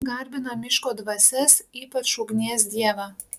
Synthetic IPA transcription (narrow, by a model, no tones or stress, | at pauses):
ɡɐɾʲbʲɪnɐmʲɪʃkoːd̪ʋɐsʲɛsiːpɐt͡ʃʊɡnʲeɛs̬d̪ʲiɛʋɑː